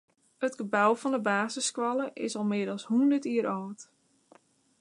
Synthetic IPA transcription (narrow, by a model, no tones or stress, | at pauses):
hətɡ̥əbawfɔndəbaːzəskʋɑlˠəʔɪsɔlˠmɪədəlˠshundərtiəɾoːt